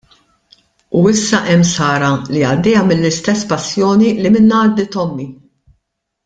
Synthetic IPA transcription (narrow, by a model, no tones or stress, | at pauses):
uɪsːɐʔɛmːsɐːɾɐliɐd̪ːɛːjɐmɪlːɪst̪ɛsːpɐsːjɔːnilimɪnːɐd̪ːɪt̪ɔmːi